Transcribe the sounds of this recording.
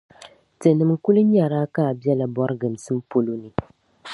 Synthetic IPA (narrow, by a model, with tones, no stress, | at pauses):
tɨ˨nɨ˨mku˦lɨ˦ɲ˦a˨ɾaː˦ka˦˨bi˦ɛ˦la˨bɔ˦ɾɨ˦ɡɨ˨m˨sɨ˦m̩˦po˦lo˦nɨ˨